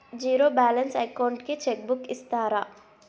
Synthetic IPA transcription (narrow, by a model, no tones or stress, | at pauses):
d͡ʒiːɾobɛːlənsajkawɳɖket͡ʃeːk̚bʊkɪst̪aːɾaː